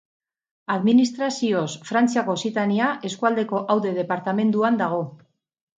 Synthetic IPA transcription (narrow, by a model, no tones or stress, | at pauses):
aðminist̪ɾasio̞sfɾant͡siako̞sit̪aniaʔe̞skuald̪e̞ko̞ʔawðe̞ð̞e̞paɾt̪ame̞nd̪uand̪aɣ̞o̞